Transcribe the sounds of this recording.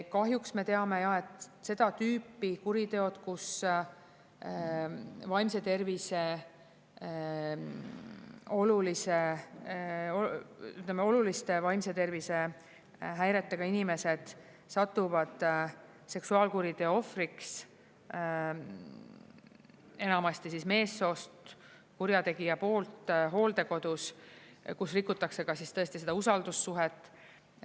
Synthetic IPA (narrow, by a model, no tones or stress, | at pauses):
kɑɦjuksme̞t̪e̞ɑme̞jɑe̞t̪ˑse̞d̪̥ɑt̪yːpːˑikuɾit̪e̞o̞d̪̥kus | vɑjmse̞t̪e̞rvise̞ | o̞lulise | oyt̪ːlemːeo̞lulist̪e̞vɑjmse̞t̪e̞rvise̞ | ɦæjɾe̞t̪ːeɡ̥ɑinime̞se̞d̪̥ | sɑt̪ːuvɑd̪̥ | se̞ksuɑːlkuɾid̪̥eo̞friks | e̞nɑmɑst̪isisme̞ːsːo̞ːst̪ | kuɾjɑt̪e̞ɡijɑpo̞ːlt̪ɦo̞ːld̪e̞ko̞d̪̥uskusrikːˑut̪ːˑɑkse̞ɡ̥ɑsist̪ɤ̞e̞st̪ise̞d̪̥ɑusɑld̪̥usːuɦet̪ːˑ